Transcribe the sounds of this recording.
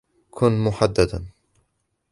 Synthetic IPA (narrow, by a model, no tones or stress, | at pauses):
kʰʊnmʊħad̪ːad̪a